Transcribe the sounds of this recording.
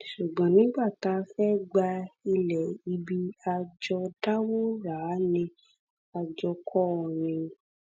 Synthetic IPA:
ʃu˨ɡ͡bã˨˦nĩ˨˦ɡ͡ba˦˨ta˨˦fɛ˦ɡ͡ba˧i˧lɛ˨i˧bi˧a˧d͡ʒɔ˧da˦wo˦ɾa˨˦nĩ˧ | a˧d͡ʒɔ˧kʰɔ˦˨nĩ˧

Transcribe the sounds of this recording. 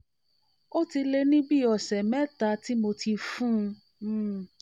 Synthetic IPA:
o˦ti˧le˧nĩ˦bi˦˨ɔ˨sɛ˨mɛ˦ta˧˦ti˦mo˧ti˧fũ˦˧˦

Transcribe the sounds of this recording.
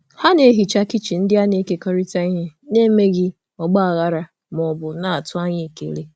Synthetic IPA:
ha˦ne˨˦ɦi˨t͡ʃa˦ki˦t͡ʃi˨n̩˦dɪ˦a˦ne˦ke˨kɔ˦ɾi˦ta˨i˦ɦe˦ne˦me˦ɣɪ˦ | ɔ˨ɡ͡ba˦a˨ɣa˦ɾa˨ | m˨ɔ˨bʊ˨na˦˨a˨tʊ˦a˦ɲɪ˦˨kḛ˨ɾe˦

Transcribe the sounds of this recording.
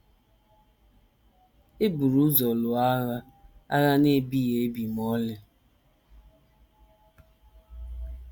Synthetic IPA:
e˦bu˨ɾu˦zɔ˨lʊ˨a˦ɣa˦ | a̰˦ɣa˦ne˦bi˦je˨˦bi˨mɔ˦le˦

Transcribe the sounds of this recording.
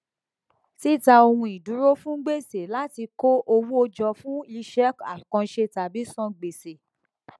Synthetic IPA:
ti˦˨ta˧o˧wũ˧i˨du˨˦ɾo˦fũ˦ɡ͡be˦˨se˨la˦ti˧ko˦ʔo˧wu˦o˧d͡ʒɔ˧fũ˦i˧ʃɛ˦ka˨kɔ̃˧ʃe˧ta˨bi˨˦sɔ̃˦˨ɡ͡be˨se˨

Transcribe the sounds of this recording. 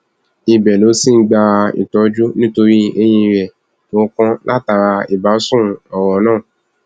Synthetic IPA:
i˧˨bɛ˨lo˨˦si˦˨n̩˦ɡ͡ba˧ḭ˨tɔ˨˦d͡ʒu˦nĩ˦to˧ɾi˦e˦j̃ĩ˧ɾɛ˨ | mõ˨˦kɔ̃˦lʔa˦˨ta˧ɾa˧i˨ba˨˦sũ˦ɔ˨wɔ˨˦nãː˦˨

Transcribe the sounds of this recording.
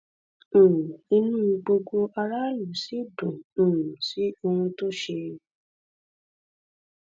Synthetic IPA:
i˧nũː˦i˧ɡ͡bo˧ɡo˧ʔa˧ɾa˦lu˨˦si˦dõ˨si˨˦o˧hũ˧to˦ʃe˧

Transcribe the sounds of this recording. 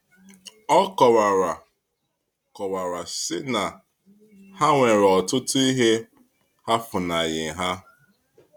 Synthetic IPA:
ɔ˦kɔ˨wa˨ɾa˨ | kɔ˨wa˨ɾa˨sɪ˦na˨ | ha˦ŋʷe˨ɾɔ˨tʊ˦tʊ˦i˦ɦe˦ | ha˦fʊ˨na˨jɪ˨ɦa˦

